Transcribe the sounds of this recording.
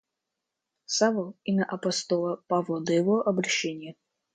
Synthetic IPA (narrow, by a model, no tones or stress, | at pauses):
savəlˠimʲɐʔɐpɐst̪olˠəpavlˠəd̪əjɪvoʔɐbɾɐɕːenʲɪjə